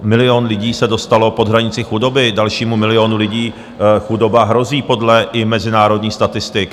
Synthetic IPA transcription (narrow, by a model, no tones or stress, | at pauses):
mɪlɪo̞nlɪɟiːsɛdo̞st̪alo̞po̞d̪ɦɾaɲɪt͡sɪxudo̞bɪdalʃiːmumɪlɪo̞nulɪɟiː | xudo̞baɦɾo̞ziːpo̞dlɛʔɪmɛzɪnaːɾo̞dɲiːxst̪at̪ɪst̪ɪk